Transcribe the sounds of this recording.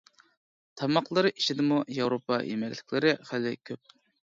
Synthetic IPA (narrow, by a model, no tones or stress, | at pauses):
t̪ʰɑmɑqlˠɨɾɨʔiʃid̪ɪmujɑwɾopɑ̰jḛmɛlʲlɪ̥kʲʰlɪɾɪχælːɪkʲʰøp̚